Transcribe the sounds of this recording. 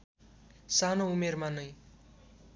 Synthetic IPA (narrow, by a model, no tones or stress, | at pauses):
sanoumermanʌj